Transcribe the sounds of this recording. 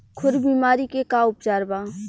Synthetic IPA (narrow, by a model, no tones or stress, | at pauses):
kʰʊɾbiːmaːɾikekaʊpt͡ʃaːɾbãː